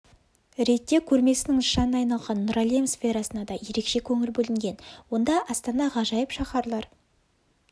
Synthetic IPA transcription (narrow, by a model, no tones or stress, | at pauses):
ɾe̞t̪ːe̞kʲʰɵɾme̞sɪnɪŋʃɑnəɑjnɑlˠʁɑnːuɾalʲemsfʲe̞ɾɑsənɑd̪ɑje̞ɾe̞kʃe̞kʲʰɵŋɪlbɵlɪŋɡʲe̞nwo̞nd̪ɑʔɑst̪ɑnɑʁɑʒɑjəpʃɑχɑɾlˠɑɾ